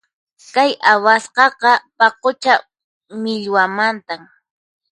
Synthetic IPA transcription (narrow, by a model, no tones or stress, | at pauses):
kajawasqɑqɑpɑqot͡ʃa | mɪʎwamant̪am